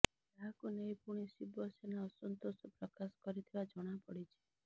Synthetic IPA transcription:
aɦakunejpuɽ̃isibɔsenaɔsɔnt̪osɔpɾɔkasɔ̥kɔɾit̪ʰibad͡ʒɔɽ̃apɔɽit͡ʃʰe̥

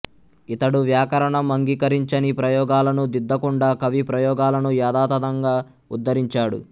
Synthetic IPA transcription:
it̪ɐɽuʋjaːkɐɾɐɳɐmɐŋɡikɐɾiɲt͡ʃɐnipɾɐjɔːɡaːlɐnud̪id̪ːɐkuɳɖaːkɐʋipɾɐjɔːɡaːlɐnujaːd̪aːt̪ɐd̪ɐŋɡaː | ud̪ːɐɾiɲt͡ʃaːɽṵ

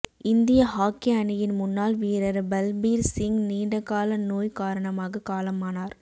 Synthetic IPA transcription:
ɪnd̪ɪjɐɦaːkːɪɐnɪjɪnmʊnːaːlʋiːɾɐɾbɐlbiːɾsɪŋɡniːɳɖɐkːaːlɐnoːjkaːɾɐɳɐmaːɣɐkaːlɐmaːnaːɾ

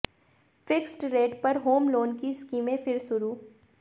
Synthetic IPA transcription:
fɪksʈɾeːʈpɐɾɦoːmloːnkiskiːmẽfɪɾsʊɾuː

